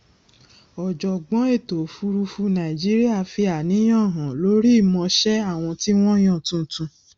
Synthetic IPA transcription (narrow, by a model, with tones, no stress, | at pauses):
ɔ˨d͡ʒɔ˨ɡ͡bɔ̃˨˦e˦˨to˨fu˧ɾu˧fu˧nã˨i˨d͡ʒi˦ɾi˦a˦˨fi˧a˨nĩ˨˦j̃ɔ̃˦˨ɦã˨lo˨˦ɾi˦i˦˨mɔ̃˧ʃɛ˦a˦˨w̃ɔ̃˧ti˦w̃ɔ̃˦j̃ɔ̃˦˨tũ˧˦tũ˧˦